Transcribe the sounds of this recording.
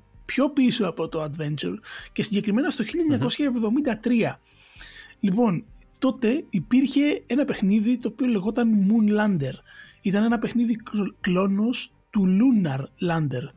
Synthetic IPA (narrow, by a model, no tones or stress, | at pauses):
pço̞pisoɐpo̞t̪o̞ɐd̪ve̞nt͡ʃuɾcesiɲɟe̞kɾime̞nɐst̪oçiʎːɐɲɐko̞sçɐevðo̞mind̪ɐt̪ɾiɐ | lipo̞nt̪o̞t̪e̞ipiɾçe̞enɐpe̞xniðit̪o̞ːpio̞le̞ɣo̞t̪ɐnmunlɐnd̪e̞ɾit̪ɐne̞nɐpexniðiklo̞nos | t̪ulunɐɾlɐnd̪e̞ɾ